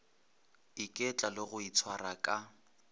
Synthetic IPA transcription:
ikʼɛt͡ɬʼalɪɣʊit͡sʰwarakʼa

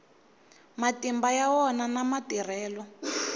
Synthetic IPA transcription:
matimbajawɔnanamatir̤ɛːlɔ

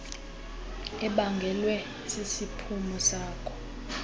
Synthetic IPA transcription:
ɛɓaŋɡʱɛlwɛ | sisipʰumusaːkʰɔ̥

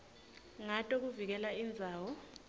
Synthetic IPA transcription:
ŋatʼok̬uvik̬ɛlaind͡zʱaːwɔ

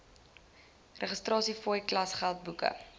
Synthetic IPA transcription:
rəχəstrɑːsifɔjklɐsχælˠt̚bukə̰

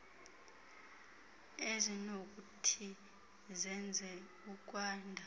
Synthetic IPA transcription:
ezinok̬ʼutʰi | zɛnd͡zʱɛkuk̬ʼwaːndʱa

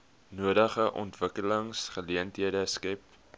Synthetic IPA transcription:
nuədəχəʔɔ̰ntvəkələŋsχəliəntɦiədəskɛp

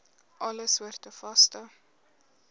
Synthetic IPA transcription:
ʔɐləsvuərtəfɐstə

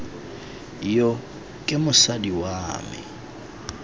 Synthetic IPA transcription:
jo | kʼɪmʊsadiwaːmɪ̰

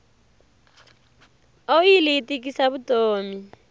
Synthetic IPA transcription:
ojilɪːtʼikʼisaβutʼoːmi

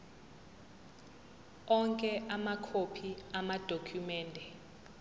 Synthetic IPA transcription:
ɔŋkʼɛʔamakʰopʰiamad̥ʱokʰumɛːndʱɛ

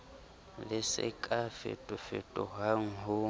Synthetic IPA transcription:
lɪsɪ̰kʼafɪ̰tʼʊfɪtʼɔɦaŋ̩ɦʊ

